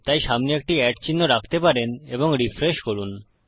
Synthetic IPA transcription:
t̪ajʃamniek̚ʈiɛʈt͡ɕinːoɾakʰt̪epaɾeneboŋɾifɾeʃkoɾun

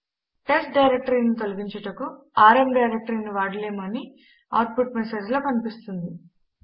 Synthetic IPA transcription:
ʈesʈ̚ɖɐjɾek̚ʈɐɾiːnit̪olɐɡiɲt͡ʃɐʈɐkuaːɾemɖɐjɾek̚ʈɐɾiːniʋaːɽɐleːmɐni | a̰ːʈ̚puʈ̚mese̞ːd͡ʒlo̞ːkɐnipist̪und̪i

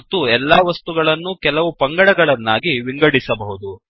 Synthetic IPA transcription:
t̪ːuɛlːaːʋɐst̪uɡɐɭɐnːukɛlɐʋupɐŋɡɐɽɐɡɐɭɐnːaːɡiʋiŋɡɐɽisɐbɐɦud̪u

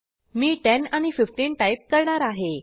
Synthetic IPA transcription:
miːʈɛnañififʈiːnʈaip̚kəɾɳaɾaɦe

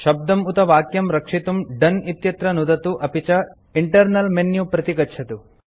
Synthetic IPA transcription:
ʃɐb̚d̪ɐmut̪ɐʋaːkjɐmɾɐkʂit̪umɖɐnit̪jɐt̪ɾɐnud̪ɐt̪uʔɐpit͡ʃɐ | iɳʈɐɾnɐlmenjupɾɐt̪ikɐt͡ʃʰɐt̪u

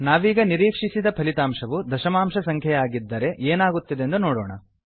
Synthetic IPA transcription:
naːʋiːɡɐniɾiːkʂisid̪ɐpʰɐlit̪aːmʂɐʋud̪ɐʃɐmaːmʂɐsɐŋkʰjɐjaːɡid̪ːɐɾe̞ʔeːnaːɡut̪ːid̪end̪unoːɽɔ̰ːɳɐ̰

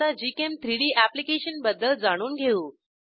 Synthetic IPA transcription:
ad͡ʑikemt̪ʰɾiɽiːʔæplikeɕənbəd̪ːəld͡zaɽ̃uːnɡʱeuː

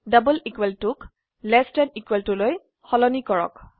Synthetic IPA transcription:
dabulikweltuk | lɛstɛnikweltuloj | xɔlɔnikɔɹɔ̰k

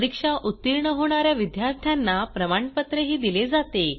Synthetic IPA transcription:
d̪ikʂaʔut̪ːiɾɳəɦoɽ̃aɾjaʋid̪jaɾt̪ʰjanːapɾəmaɳpət̪ɾeɦiːd̪iled͡zat̪e

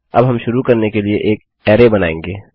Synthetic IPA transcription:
ɐ̰bɦɐmʃʊɾukɐɾnekelieʔeːk | ɛːɾebɐna̰ːḛ̃ŋɡeː

